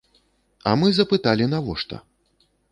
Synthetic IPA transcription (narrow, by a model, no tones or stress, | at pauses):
ɐ̰mɨzɐpɨt̪alʲinɐvɔʂt̪ɔ̰